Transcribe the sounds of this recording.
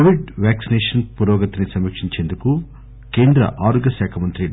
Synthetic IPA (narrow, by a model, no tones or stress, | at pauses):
ʋiɖʋjæːksineːʂɐnpuɾɔːɡɐt̪inisɐmikʂiɲt͡ʃeːnd̪uku | keːnd̪ɾɐ̰ʔaːɾoɡɐsaːkʰɐmɐnt̪ɾi